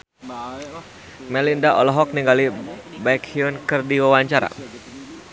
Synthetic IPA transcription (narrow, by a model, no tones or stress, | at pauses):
mɛlindaʔɔlɔɦɔk̚niŋɡalibaikhiunkɨrdiwawaɲt͡ʃaɾa̰